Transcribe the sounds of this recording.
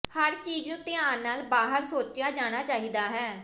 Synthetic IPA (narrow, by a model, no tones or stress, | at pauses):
həɾt͡ʃiːd͡ʒõːt̪ɪjaːnnːaːlbaːɦəɾsoːt͡ʃɪjaːd͡ʒaːɽ̃aːt͡ʃaːiːd̪aːɦɛː